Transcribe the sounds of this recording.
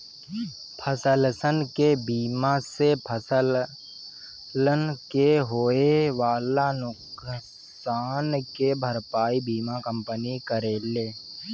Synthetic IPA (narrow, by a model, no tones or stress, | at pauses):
pʰəsəlsənkebiːmasepʰəsəl | lənkeɦoːeʋaːlanʊk | saːnkebʱəɾpaːibiːmakə̃mpənikəɾeːleː